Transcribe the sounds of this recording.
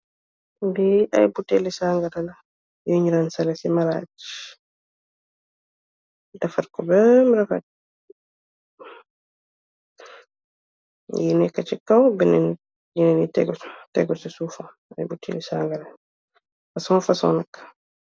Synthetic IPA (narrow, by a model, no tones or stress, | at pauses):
bia̰jbutːɛlisaŋɡadala | joɲiɾansalɛsɛmaɾa̰d͡ʒi̥ | dafaɾkɔbɛmiɾafa̰ | jinɛkat͡ʃikːawbɛnɛn | jinɛnitɛɡtɛ̰ɡɔsɛsufa | ajbutːɛ̰lisaŋɡaɾa | fasɔfasɔ̰nakːḁ